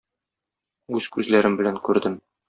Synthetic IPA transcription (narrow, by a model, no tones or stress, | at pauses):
ʉzkʉzlæɾɘmbɘ̆læŋkʉɾd̪ɘm